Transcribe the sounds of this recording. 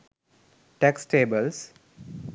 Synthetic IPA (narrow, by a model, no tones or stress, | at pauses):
ʈɛksʈeːbəls